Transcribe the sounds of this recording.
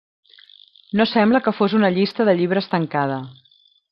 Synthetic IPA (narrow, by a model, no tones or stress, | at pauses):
nosɛmbləkəfozunəʎist̪əðəʎiβ̞ɾəst̪əŋkað̞ə